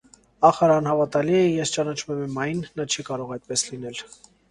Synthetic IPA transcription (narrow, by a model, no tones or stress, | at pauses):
ɑχɑɾɑnhɑvɑt̪ɑliəjɛst͡ʃɑnɑt͡ʃʰmɛmɛmɑjnːɑt͡ʃʰikɑɾɔʁɑjt̪̚pɛslinɛl